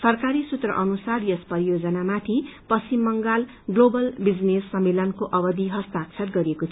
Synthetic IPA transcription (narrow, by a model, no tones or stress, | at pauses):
sʌrkaɾisut̪rʌ̰ʔʌnusarjʌspʌɾijod͡zʌnamat̪ʰipʌst͡simːʌŋɡal | ɡlobʌlbid͡znesːʌmːelʌnkoʔʌbʌd̪iɦʌst̪akt͡sʰʌrɡʌɾiekot̪ʰ